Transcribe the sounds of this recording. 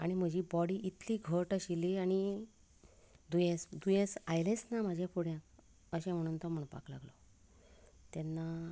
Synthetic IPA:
aɽ̃im̤əd͡ʑiːbɔɽiːʔit̪liːɡʱəɾʈəɕiliaɽ̃i | d̪ujẽsd̪ujẽsajlɛ̃snam̤ad͡ʑʱjãpuɽjã | əɕɛ̃m̤əɽ̃uːnt̪ɔm̤əɳpa̰kla̰ɡlɔ | t̪ɛnːa

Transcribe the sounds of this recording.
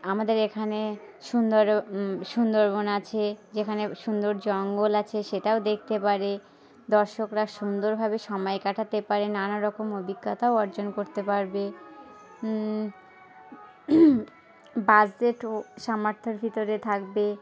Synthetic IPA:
amad̪eɾekʰane | ʃund̪oɾʃund̪oɾbonat͡ɕʰed͡ʑekʰaneʃund̪oɾd͡ʑɔŋɡolat͡ɕʰeʃeʈaod̪ek̚ʰt̪epaɾe | d̪ɔɾʃokɾaʃund̪oɾbʱabeʃɔmɔekaʈʰat̪epaɾenanaɾɔkomobiɡːat̪aoɔɾd͡ʑonkoɾt̪epaɾbe | bad͡ʑd͡ʑeʈoʃamaɾt̪ʰːoɾbʱit̪oɾet̪ʰakbe

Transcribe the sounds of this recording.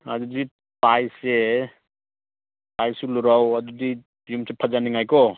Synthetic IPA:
ɐdudi | pajse | pajsuluɾawɐdudi | jumsepʰazaniŋajkɔ

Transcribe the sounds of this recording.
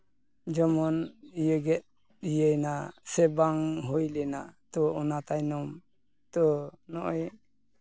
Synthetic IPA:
d͡ʒɔmɔnijəɡɛt̪̚ | ijəjnasɛbaŋɦojlɛnat̪ɔɔnat̪ajnɔm | t̪ɔnɔʔɔj

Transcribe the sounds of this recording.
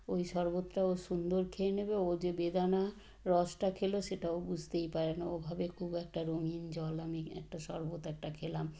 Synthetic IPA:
ojʃɔɾbot̪ːɾaoʃund̪oɾkʰeenebeod͡ʑebed̪ana | ɾɔsʈakʰeloʃeʈaobud͡ʑʱt̪ejpaɾenaobʱabekʰubɛk̚ʈaɾomind͡ʑɔlamiɛ̰k̚ʈaʃɔɾbot̪ɛk̚ʈakʰelam

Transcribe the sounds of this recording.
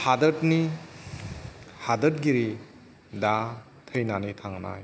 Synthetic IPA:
hadətni | hadət̚ɡiɾi | da | tʰəjnanitʰaŋna̰j

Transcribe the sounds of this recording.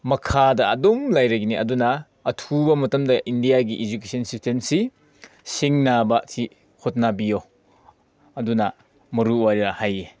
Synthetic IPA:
mɐkʰadɐɐdomlajɾɐɡiniʔɐdunɐː | tʰubɐmɐtɐmdɐʔindijaɡiʔid͡ʒukesʰɐnsistʰensi | siŋnabɐtʰi | hot̚nabijo | ɐdunɐ | mɐɾuwajɾahaje

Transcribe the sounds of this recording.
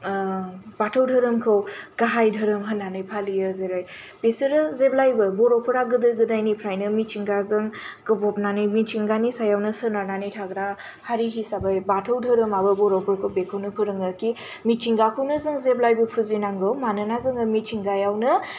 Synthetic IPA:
batʰɯwdʱɯɾɯmkʰɯwɡ̥aɦajdʱəɾɯmɦənːanɯjpʰalijɯzeɾajbesɯɾɯzeblajbɯbɔɾɔpʰɯɾaɡɯdɯɡɯdajnipʰɾajnɯmit͡ʃʰiŋɡazɯŋɡɯbɔp̚nanɯjmit͡ʃʰiŋɡanisajawnɯsɯnaɾnanijtʰaɡɾa | haɾiɦisabajbatʰɯwdʱəɾɯmabɯbɔɾɔpʰɯɾkʰɯbekʰɯwnɯpʰɯɾɯŋɯɾki | mit͡ʃʰiŋɡakʰɯwnɯzɯŋzeblajbɯpʰuzinaŋɡɯwmanɯnazɯŋɯmit͡ʃʰiŋɡajawnɯ

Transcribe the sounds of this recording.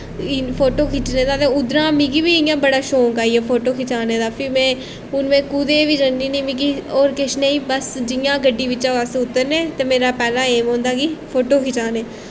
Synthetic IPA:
pʰoːʈoːkʰɪt͡ʃneːd̪aːt̪ẽːʊd̪ɾãːmĩːkibiːɪjãːbəɽaːʃoːkaːieːpʰoːʈoːkʰɪt͡ʃaːneːd̪aːpʰɪmɛ̃ː | ʊnʋẽːkud̪eːʋiːd͡ʒənd̪iːnĩːmĩːkioːɾkɪʃneiːbəsd͡ʒɪjãːɡəɖːiːʋɪt͡ʃːãːʋaːst̪eːʊt̪ːəɾnẽːt̪eːmeːɾaːpɛːlãːeːmõːnd̪aːɡiːpʰoːʈoːkʰɪt͡ʃaːneː

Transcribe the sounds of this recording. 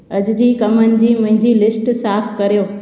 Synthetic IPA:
ɐd͡ʑd͡ʑiːkɐmənɪ̆d͡ʑiːmʊ̃ɦɪ̃ɲd͡ʑilɪsʈsaːfkɐɾijoː

